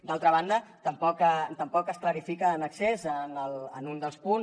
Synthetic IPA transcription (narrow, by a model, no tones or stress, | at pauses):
d̪alˠt̪ɾəβand̪ət̪əmpɔkət̪əmpɔkəskləɾifikəːnəksezənələnund̪əlˠspun